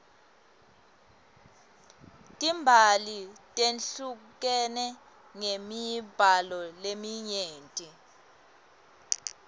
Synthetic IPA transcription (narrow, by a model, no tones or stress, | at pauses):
tʼimbʱalitʼenɬuk̬ɛnɛ | ŋemib̥ʱalɔlemiɲeːntʼi